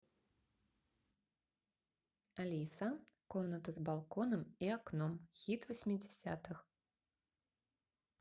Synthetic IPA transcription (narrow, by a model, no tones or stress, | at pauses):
alʲisɐkɔmnɐt̪ɐzbalˠkɔnɐmiaknɔmxʲit̪vɐsʲmʲid͡zʲɛsʲa̰t̪ɨx